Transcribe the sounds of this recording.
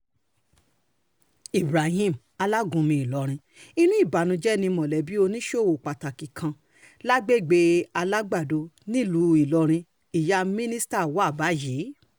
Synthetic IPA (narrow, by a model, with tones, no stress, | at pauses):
i˨bɾa˨ɦĩ˦˨m̩ | a˧la˦ɡũ˧mĩ˧i˨lɔ˧˦ɾ̃ĩ˧ | i˦nũ˦i˦˨ba˨nũ˧d͡ʒɛ˦nĩ˧mɔ̃˨lɛ˨bi˦o˧nĩ˦ʃo˦˨wo˨k͡pa˨ta˨ki˨kʰã˧ | la˦ɡ͡be˦˨ɡ͡be˧a˧la˦ɡ͡ba˦˨do˧nĩ˦lu˧˦i˨lɔ˧ɾ̃ĩ˧ | i˨ja˧mĩ˦nĩ˦sta˦˨wa˦˨ba˨˦ji˨˦